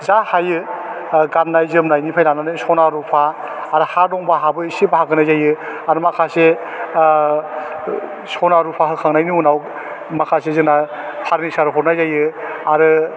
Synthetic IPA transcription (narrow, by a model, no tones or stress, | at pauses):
zahajɯ | ɡannajzɯmnajnipʰajnananɯsɔnaɾupʰaː | ɾɯhaɾdɔŋbaɦabɯisibaɦaɡɯnajzajɯaɾɯmakʰase | sɔnaɾupʰaɦɯkʰaŋnajnɯunaw | makʰasezɯŋna | pʰaɾnisaɾɯɦʰɔɾnajzajɯaɾɯ